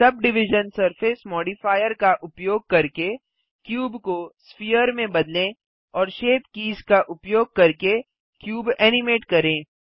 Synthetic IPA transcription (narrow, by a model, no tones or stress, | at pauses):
sɐb̚ɖɪʋɪʒənsɐɾfɪsmɔːɖifaːɪjəɾkaʔʊpjoːɡ̚kɐɾke | kjuːbkospijəɾmẽbɐd̪lẽ | ɔːɾʃeːpkiːzkaʔʊpjoːɡ̚kɐɾke | kjuːbɛːnɪmeːʈkɐɾẽː